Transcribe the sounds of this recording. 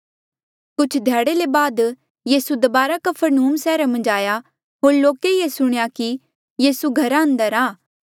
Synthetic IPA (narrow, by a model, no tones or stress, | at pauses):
kʊt͡ʃʰd̪ʱɛːɽelebaːd̪ | jiːsud̪ɐbaːɾakɐpʰəɾnuːmsɛːɾamɐ̃nd͡ʒaːja | ɦoːɾloːkeiːesʊɽ̃ejaki | jiːsuɡʱɐɾãːɐ̃nd̪əɾaː